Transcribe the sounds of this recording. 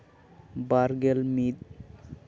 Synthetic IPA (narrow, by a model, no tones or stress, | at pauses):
baɾɡelmid̪̚